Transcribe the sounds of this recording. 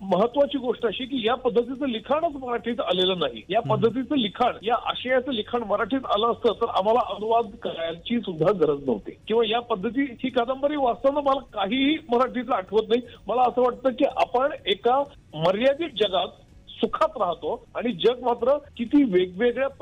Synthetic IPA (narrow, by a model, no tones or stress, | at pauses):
məɦət̪ːʋat͡ɕiːɡoʂʈəaɕiːk̬iːjapəd̪ʱːət̪̬it͡səːlikʰaɳət͡sməɾaʈʰiːt̪aleləːnaɦḭjapəd̪ʱːət̪̬it͡səlikʰaɳjaʔə̰ɕəjat͡səlikʰaɳməɾaʈʰiːt̪a̰ləːst̪əːt̪ːəɾa̰m̤alaʔənuʋad̪kəɾajat͡ɕiːsud̪ʱːaɡʱəɾəd͡znə̰ʋt̪ḭːkĩw̃ʋajapəd̪ʱːət̪̬iːhiːkəd̪əmbəɾiːʋast̪anːəməlakaɦiːməɾaʈʰiːt̪ləaʈʰəʋət̪̬naɦiməlaəsəːʋaʈ̚t̪əːkiːʔa̰pəɳeka | məɾjad̪iːʈ̚d͡ʑəɡat̪̚ | sukʰat̪ɾaɦt̪oaɽ̃id͡ʑəɡ̚mat̪ɾəkit̪iːʋeɡ̚ʋeɡɭjap